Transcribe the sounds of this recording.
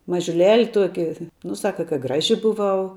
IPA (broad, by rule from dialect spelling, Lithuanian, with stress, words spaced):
mɐʒʲʊˈlʲæːlʲɪ ˈtuɔkʲɪ ˈnʊ ˈsɑːkɐ kɐ ˈɡrɑːʒʲɪ bʊˈʋɐʊ